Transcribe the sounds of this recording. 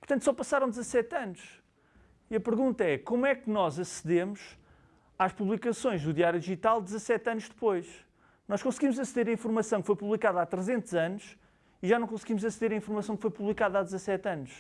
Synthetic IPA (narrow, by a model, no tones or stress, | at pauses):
puɾt̪ɐ̃nt̪sɔpɐsaɾɐ̃w̃d̪zɐsɛt̪ɐnuʃ | iɐpɨɾɣũnt̪ɐɛkomwɛknɔzɐsðemuʃ | aʃpuβlˠikɐsõj̃ʒðuðiaɾjuðiʒit̪alˠd̪zɐsɛt̪ɐnuʒd̪ɨpojʃ | nɔʃkõsɣimuzɐsðeɾɐĩfuɾmɐsɐ̃w̃kfojpuβlˠikaðɐat̪ɾɨzẽnt̪uzɐnuʃ | iʒanɐ̃w̃kõsɣimuzɐsðeɾɐĩfuɾmɐsɐ̃w̃kfojpuβlˠikaðɐad̪zɐsɛt̪ɐnuʃ